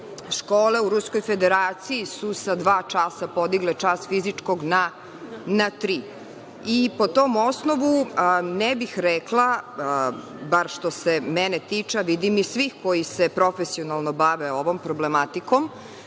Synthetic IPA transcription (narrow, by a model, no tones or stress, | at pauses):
ʃkoːle̞uɾusko̞jfed̪eɾaːt̪siisusad̪ʋaːt͡ʃasapod̪iɡlet͡ʂast̪fizit͡ʂko̞ɡna | nat̪ɾiː | ipo̞t̪oːmo̞snoʋunɛbixɾɛklˠa | baɾʃt̪osemɛnet̪it͡ʂaʋid̪imisʋiːxko̞jisepɾo̞fesionalˠnobaʋeo̞ʋo̞mpɾoblemat̪ikom